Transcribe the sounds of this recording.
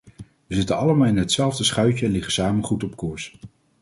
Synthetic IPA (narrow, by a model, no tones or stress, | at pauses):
ʋəzɪtənɑləmaːlˠɪnɦətsɛlˠvdəsχœɥcəɛnlɪχəsaːmənχutɔpkʊːɹs